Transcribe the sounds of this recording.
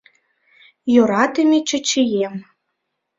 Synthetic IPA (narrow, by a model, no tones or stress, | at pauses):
joɾɑt̪emʲet͡ɕə̆t͡ɕijem